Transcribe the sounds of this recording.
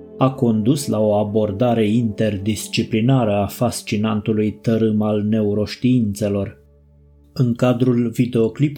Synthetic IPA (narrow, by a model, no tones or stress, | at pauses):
ako̞nd̪uslao̞abo̞rd̪aɾe̞int̪e̞rd̪ist͡ʃiplinaɾəafast͡ʃinant̪ulujt̪əɾɨmalne̞uɾo̞ʃt̪iint̪se̞lo̞r | ɨŋkad̪ɾulvid̪e̞o̞klip